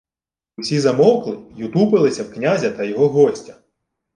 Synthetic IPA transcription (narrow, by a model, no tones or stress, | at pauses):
ʊsʲizɐmɔwklˠɪjut̪upɪlˠɪsʲɐwknʲazʲɐt̪ɐjɔɦɔɦɔsʲtʲɐ̥